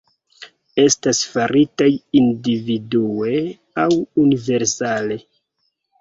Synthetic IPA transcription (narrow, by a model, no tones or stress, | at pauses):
e̞stasfaɾʔitajindividue̞ | awunive̞ɾsale̞